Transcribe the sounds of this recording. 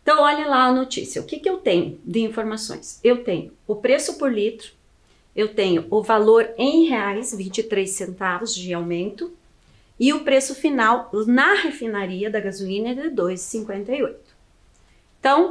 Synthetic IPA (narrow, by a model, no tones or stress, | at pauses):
ẽt̪ɐ̃w̃ɔʎɐ̃laɐnot͡ʃḭsiɐʊ̰kɪkɪewt̪ẽɲʊ̰d̪ɪĩfoɾmasõ̰j̃sewt̪ẽɲʊʊpɾesʊpoɾlit̪ɾʊ̥ | ewt̪ẽɲʊʊvaloɾẽj̃heajsvĩt͡ʃɪt̪ɾesẽnt̪avʊzd͡ʒɪawmẽnt̪ʊ | ɪʊpɾesʊfinawnɐhefinaɾiɐd̪ɐɡazuĩnɐɛd̪ɪd̪ojzɪsĩŋkwẽnt̪ɐiojt̪ʊ̥̃ | t̪ɐ̃w̃